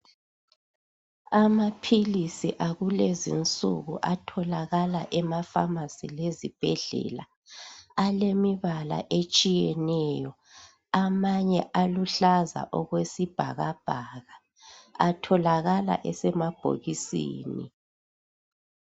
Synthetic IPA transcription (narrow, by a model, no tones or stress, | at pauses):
amapʰilisiʔaɣulezḭnt͡sʼṵɣṵʔatʰɔlaɣalaʔɛmafamasilezib̥ʱɛɮɛ̰la | alemiβala̰ʔet͡ʃʼijɛnɛjɔ | amaɲɛʔaluɬaza̰ʔɔɣwesib̥ʱaɣab̥ʱaɣaː | tʰɔlaɣala̰ʔɛsɛmab̥ʱo̰ɣisḭːnḭ